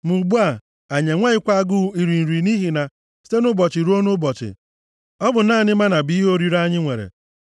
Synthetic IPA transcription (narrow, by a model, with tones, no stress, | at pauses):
mu˨ɡ͡bu˦a˨ | a˨ɲe˨ŋʷe˦ɪ˦kʷa˦ɡʊ˦i˨ɾi˨n̩˨ɾi˨ni˦ɦi˨na˨ | si̥˦te˦nʊ˦bɔ˨t͡ʃɪ˨ɾu˦o˦nʊ˦bɔ˨t͡ʃɪ̰˨ | ɔ˦bʊ˨naː˦˨nɪ˦ma˦na˨bi˦ɦo˦ɾi˦ɾa˦ɲɪ˦ŋʷe˨ɾḛ˨